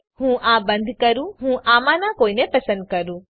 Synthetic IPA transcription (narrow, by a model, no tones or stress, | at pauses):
hũːãbə̃nd̪ʱkəɾũɦũʔaːmãnãkoːinepəsə̃nd̪̚kəɾũː